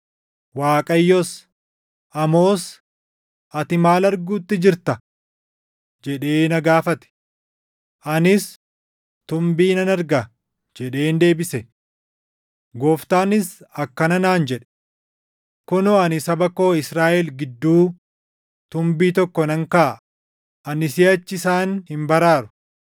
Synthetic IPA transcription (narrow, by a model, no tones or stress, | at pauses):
waːkʼɐjːɔs | ʔɐmo̞ːs | ʔɐt̪ɪmaːlɐɾɡuːt̪ːɪd͡ʒɪɾt̪ɐ | d͡ʒɛᶑe̞ːnɐɡaːfɐt̪ɛ̥ | ʔɐnɪs | t̪ʊmbiːnɐnɐɾɡɐ | d͡ʒɛᶑe̞ːnd̪e̞ːbɪsɛ | ɡoːft̪aːnɪsɐkːɐnɐnaːnd͡ʒɛᶑɛ̥ | kʊnoːɐnɪsɐbɐko̞ːɪsɾaːʔɛlɡɪd̪ːuː | t̪ʊmbiːt̪ɔkːɔnɐŋkaːʔ | ʔɐnɪsɪɐt͡ʃːɪsaːnhɪmbɐɾaːɾʊ̥